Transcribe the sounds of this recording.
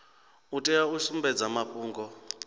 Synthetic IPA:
utʼɛausumbɛd͡zamaɸʼuːŋɡɔ

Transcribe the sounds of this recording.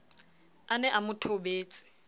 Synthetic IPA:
anɛʔamʊtʰobeːt͡sʼɪ̥

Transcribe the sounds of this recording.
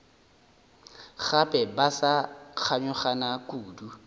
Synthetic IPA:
χapʼɛbasak͡xʰaɲʊχanakʼuːdu

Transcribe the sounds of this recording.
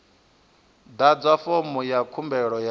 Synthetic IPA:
d̪ad͡zwafomujakʰumbɛɺɔja

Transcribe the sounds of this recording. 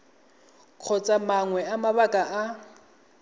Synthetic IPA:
kʰɔt͡sʼamaŋwɛamaβakʼaʔa

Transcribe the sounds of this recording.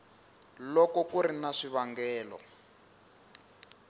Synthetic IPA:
lɔkɔkuɾinaʂiβaŋɡɛːlɔ̰

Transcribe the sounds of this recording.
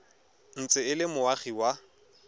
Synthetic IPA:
n̩t͡sʼɪɪlɪmʊaχiwa

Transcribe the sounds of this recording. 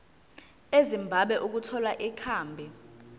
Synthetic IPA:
ezimbʱaɓɛʔuk̬utʰɔlaʔikʰaːmbʱi

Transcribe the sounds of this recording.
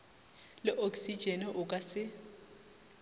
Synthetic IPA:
lɪʔoksid̥d͡ʒ̥ʱɛnɛʔʊkʼasɪ

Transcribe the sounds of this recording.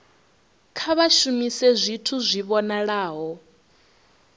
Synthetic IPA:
kʰaβaʃumisɛzʷitʰuzʷiβɔnaɺaːɦɔ

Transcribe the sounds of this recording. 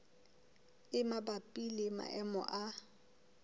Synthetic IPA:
ɪmabapʼilɪma̰ʔɛmɔ̰ʔa

